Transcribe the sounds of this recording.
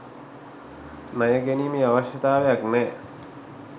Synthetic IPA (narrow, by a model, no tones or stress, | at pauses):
nəjəɡeniːmiːaʋəɕjət̪aːʋejaknɛː